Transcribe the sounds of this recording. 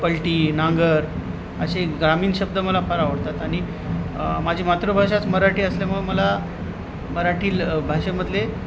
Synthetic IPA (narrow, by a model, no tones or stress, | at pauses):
pəlʈiːnaŋɡəɾ | ə̰ɕeɡɾamiːnɕəb̚d̪ʱəməlapʰəɾaʋəɽt̪at̪aɽ̃i | mad͡ʑʱiːmat̪ɾəbʱaɕat͡sməɾaʈiːəsleməɡməla | məɾaʈiːlbʱaɕem̤əd̪le